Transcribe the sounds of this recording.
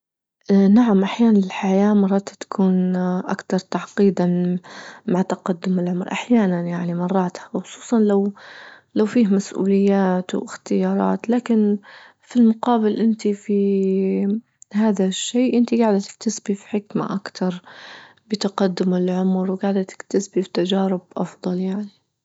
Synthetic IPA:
naʕamʔaħjaːnanlɪlħajaːmɑrˤːɑːt̪t̪ḁkʰuːnʔa̰kt̪ɑɾˤt̪aʕqiːd̪a | maʕt̪ɑqɑd̪ːʊmɪlʕʊmɾˤʔaħjaːnanjaʕnimɑrˤːɑːt̪hawxʊsˤu̥ːsˤɑnlawlawfiːhmasʔṵːlɪjːaːt̪wʔɪ̰xt̪ɪjɑːɾˤɑ̰ːt̪laːkɪn | filmʊqɑːbɪlʔɪnt̪ifi | haːðaʃːeːʔɪnt̪iɡaʕd̪at̪ɪ̥k̚t̪asbifi̥ħɪkma̰ʔakt̪ɑɾˤ | bɪt̪aqɑd̪ːʊmɪlʕʊmɾwɡaːʕd̪at̪ɪ̥kt̪asbifi̥t̪ad͡ʒaːɾɪbʔɑ̰fðˤɑljaʕni

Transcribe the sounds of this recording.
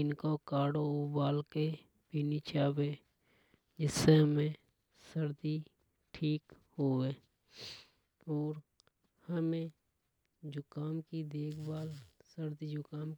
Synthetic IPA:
ɪnkokaːɽoubaːlke | pinit͡ʃʰaːbe | d͡ʒɪsːeɦəmẽ | səɾd̪i | ʈʰiːkhoːeː | ɔːɾ | həmẽ | d͡ʒʊkaːmkid̪eːkʰbaːlsəɾd̪id͡ʒʊkaːm

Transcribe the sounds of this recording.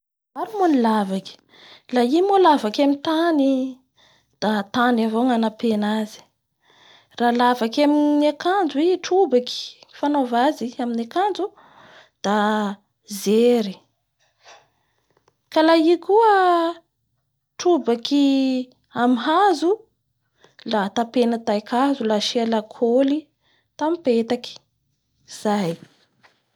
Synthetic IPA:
aɾumonilavaki̥ | laimolavakamint̪ani | d̪̥at̪anavoŋanapenazi̥ | ralavakaminakand͡zuiʈ͡ʂubaki̥ŋifanovaziaminakand͡zu | d̪̥a | zeɾi | kalaikuə | ʈ͡ʂubaki | amiɦazu | lat̪apenət̪ajkʰazulaʃalakʰoli | t̪amipet̪aki̥ | z̥aj

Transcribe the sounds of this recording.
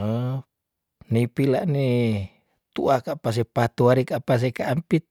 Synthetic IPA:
ə | nipilaʔni | t̪ṵʔakaʔpas̬epat̪uaɾikaʔpas̬ekaʔːmpit̪̚

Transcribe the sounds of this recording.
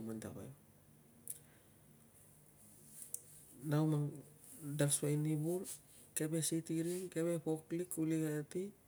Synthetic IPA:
manta̰βa̰j | nawmaŋ | dalswajnibul | kebesitiɾiŋkeβepoklikuliɡaati

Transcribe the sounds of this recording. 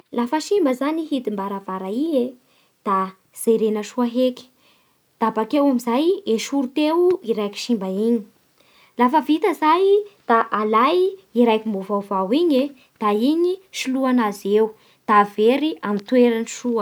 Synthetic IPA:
lafəʃimbəzaniɦid̪imbaɾavaɾaie | d̪̥a | z̥ejɾenəʃuaɦeki̥ | d̪̥abakewamizajeʃuɾut̪ewuiɾajki̥ʃimbaiɲi̥ | lafəvit̪əzajd̪̥aʔalajiɾajkʲimbovawvawiɲe | d̪̥aiɲiʃiluanazew | d̪̥aveɾiamint̪ueɾaniʃuə

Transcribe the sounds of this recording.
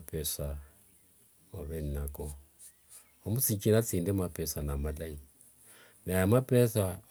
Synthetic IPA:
pʰɛsa | oβɛnnako | omusikinat͡sindemapɛsanamalai | najamapɛsa

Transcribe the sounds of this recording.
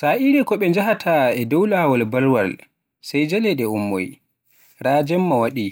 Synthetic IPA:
saːʔiɾɛkɔɓɛnd͡ʒahatʰaɛdɔwlawalbaɾwal | sajd͡ʒalɛɗɛumːɔ̰j | ɾaːd͡ʒɛmːawaɗi

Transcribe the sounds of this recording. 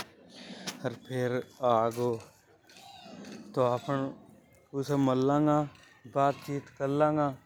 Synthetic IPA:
əɾpʰeɾaːɡoː | t̪oːaːpəɳ | ʊseməlːãːŋɡãː | baːt̪̚t͡ʃiːt̪kəlːãːŋɡãː

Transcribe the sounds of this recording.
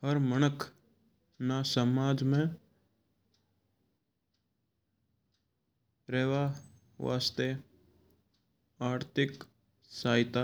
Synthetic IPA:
həɾmənəkʰ | nasəmaːd͡ʒmẽ | ɾeːʋa | ʋa̰ːst̪e | aːɾt̪ʰɪk | saːɪt̪a

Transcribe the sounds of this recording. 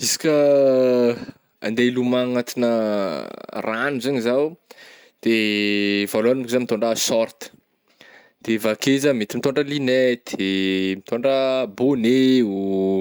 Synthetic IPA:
isi̥kʲə | a̰nd̪elumaŋat̪inə | ranuzaɲizaw | d̪̥e | valoanmikizamit̪oɳɖ͡ʐəsɔɾt̪ə̥ | d̪̥evakezəmet̪imit̪oɳɖ͡ʐəlinɛd̪̥emit̪oɳɖ͡ʐəboneu

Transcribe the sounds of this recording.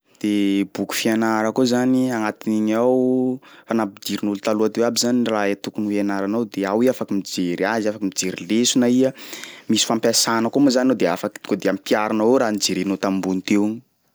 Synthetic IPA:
d̪̥ebuku̥fianaɾəkozaniaŋat̪iniɲawfanapid̪iɾinulut̪aluat̪ewabizaniraet̪ukunweanaɾanawd̪eawiafakimid͡ʒeɾiaziafakimid͡ʒeɾilesunaiəmisi̥fampjasanəkomazaninowd̪eafaki̥t̪kod̪eampiaɾanaweɾaːnid͡zeɾenot̪ambunit̪ewɲi

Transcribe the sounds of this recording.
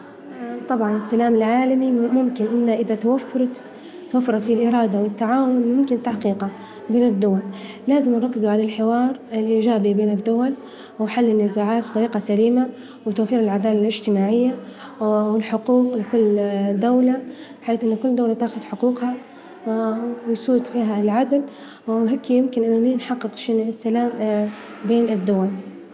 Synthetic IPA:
t̪ˤɑbʕɑnɪsːalaːmɪlʕaːlamimʊmkɪnʔɪnːaʔɪðat̪awafːɑɾˤt̪ | t̪wafːɑɾˤɑt̪filʔɪɾˤɑːd̪awɪt̪ːaʕaːwʊlmʊmkɪnt̪aħqiːqɑ | beːnɪd̪ːʊwal | laːzɪmnɾˤɑkːɪzuʕalalħɪwɑːɾˤɪlʔiːd͡ʒaːbibeːnɪd̪ːʊwal | wɪħalːɪnːɪzaːʕaːt̪̚bɪt̪ɑɾiːqɑsaliːma | wɪt̪awfiːɾɪlʕad̪aːlalɪʒt̪ɪmaːʕɪjːa | wɪlħʊquːqlɪkʊlːd̪awlabɪħaːθʔɪnːʊkʊlːd̪awlat̪aːxʊd̪ħʊquːqha | wɪjsuːt̪fiːɦalʕad̪l | ɦeːkːjɪmkɪnʔɪnːʊninħɑqːɨqʃɪnɪsːalaːm | beːnɪd̪ːʊwal

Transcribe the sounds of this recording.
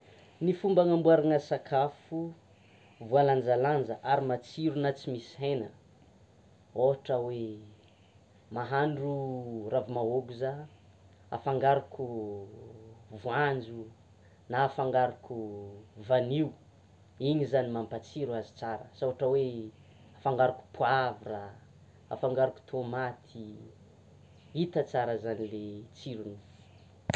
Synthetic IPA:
nifumbaŋambuaɾaŋəsakʰafu | vualand͡zaland͡zəʔaɾimat͡siɾunat͡simisiɦenə | oɦaʈ͡ʂawe | maɦaɳɖ͡ʐuravimaoɡuza | a̰faŋɡaɾuku | vuand͡ʒu | naːfaŋɡaɾakʰuvaniu | iɲizanimampat͡siɾuazi̥t͡saɾə̰sawaʈ͡ʂəwe | afaŋɡaɾaku̥puavura | a̰faŋɡaɾuku̥t̪ʰomat̪ʰi | it̪ət͡saɾəzanilet͡siɾunufu̥

